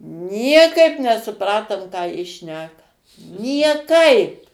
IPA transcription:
ˈnʲiɛkɐɪp nʲɛsʊˈprɑːtoːm ˈkɑː ˈjɪ ˈʃʲnʲæːkɐ nʲiɛˈkɐɪp

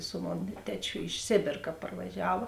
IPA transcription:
sʊ ˈmoːn ˈtʲæːt͡ʃʲʊ ɪʃ ˈsʲeːbʲeːr kɐ pɐrʋɐˈʒʲæːʋɐ

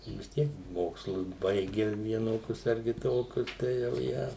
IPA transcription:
ʋʲɪs ˈtʲiɛk ˈmoːkslˠʊs ˈbɐɪɡʲɛ ʋʲiɛˈnoːkʲʊs ɐr kʲɪˈtoːkʲʊs ˈtɐɪ jɛʊ ˈjæː

